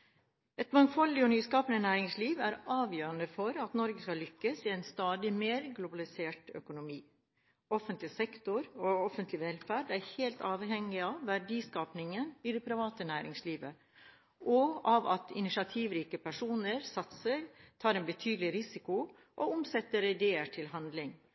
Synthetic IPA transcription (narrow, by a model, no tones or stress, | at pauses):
ɛt̪mɑŋfɔlːɪɔnyːskɑːpənənæːɾɪŋsliːʋæɾɑːʋjøːɾənəfɔɾɑt̪nɔɾɡəskɑlʏkːəsɪɛɪnst̪ɑːd̪ɪmeːɾɡlʊbɑlɪseːʈœ̰kʊnʊmiː | ɔfənt̪lɪsɛkt̪ʊɾɔɔfənt̪lɪʋɛlfæːɖæɾheːlt̪ʰɑːʋhɛŋːɪɑʋːæɖiːskɑːpnɪŋənɪd̪ɛpʰɾɪʋɑːt̪ənæːɾɪ̰ŋsliːʋə | ʔɔɑʋɑ̰t̪ʰɪ̰nɪʂɑt̪ʰiːʋɾiːkəpʰæʂuːnəɾsɑt̪səɾt̪ʰɑːɾɛnbət̪ʰyːd̪əlɪɾɪsɪkʊ | ʔɔʊmsɛt̪ːəɾɛd̪eːəʈʰɪlɦɑnd̪lɪŋ